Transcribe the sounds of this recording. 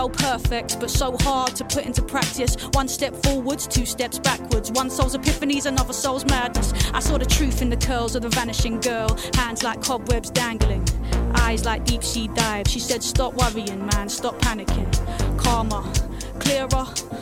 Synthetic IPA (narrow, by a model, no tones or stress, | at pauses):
oʊpʰɜ˞fɪk̚t̚b̥ʌtsoʊhɑɹd̚tʰəpʰʊɾɪ̃ntupʰɹ̥æk̚tɨswʌ̃nstɛpfɔɹwə˞dz̥tʰʉstɛpsb̥ækʰwə˞dzwʌ̃nsɛlˠzɨpʰɪfɨnizɨ̃nʌvəsɛlˠzmædⁿnəsaɪsɔɾɨtʰɹ̥ʉθɨ̃nðɨkʰɜ˞lˠzʌðəvænɨʃɪ̃ŋɡɜ˞lˠhæ̃ndzlaɪkʰːɑbwɛbzdæ̃ŋɡl̩ˠɪ̃ŋʔaɪzlaɪk̚d̥ipsidaɪv̥ʃisɛd̥stɑpwʌviɪ̃nmæ̃nstɑpʰːænɨkʰɪ̃nkʰɑɹmə˞ | kʰl̥ɪɹɹə